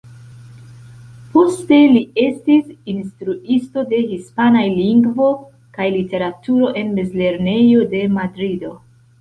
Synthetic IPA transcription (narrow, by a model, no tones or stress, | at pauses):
po̞ste̞lie̞stisinstɾuisto̞de̞hispanajliŋɡvo̞ | kajlite̞ɾatuɾo̞ʔe̞nmezle̞ɾne̞jo̞de̞madɾido̞